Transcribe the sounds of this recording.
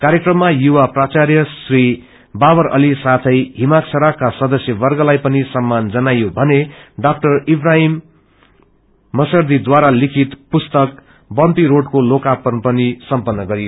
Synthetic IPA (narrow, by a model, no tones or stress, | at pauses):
kaɾjekrʌmːajuwaprat͡sarjʌsri | babʌɾʌ̰lisat̪ʰʌjɦimaksʰʌɾakːasʌd̪ʌsjʌbʌrɡʌlajpʌnisʌmːand͡zʌnajobʱʌneɖak̚ʈʌribraɦim | ʌsʌrd̪id̪waɾalikʰit̪pust̪ʌk | bʌnt̪iɾoɽkolokapʌnpʌnisʌmpʌnːʌɡʌɾijo